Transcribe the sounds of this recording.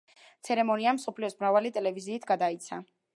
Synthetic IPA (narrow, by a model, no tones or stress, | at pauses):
t̪sʰɛɾɛmɔniamsɔpʰliɔsmɾavalit̪ʼɛlɛviziːt̪ʰɡ̥ad̪ait̪sʰa̰